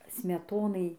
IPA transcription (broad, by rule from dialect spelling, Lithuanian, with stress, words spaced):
sʲmʲɛˈtoːnɐɪ